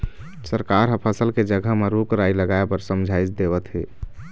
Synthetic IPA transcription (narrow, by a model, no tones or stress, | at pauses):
səɾkaɾɦəpʰəsəlked͡ʒəɡʱəɦmeɾukɾailəɡaepəɾsəmd͡ʒʱait͡ʃd̪eβət̪ɦe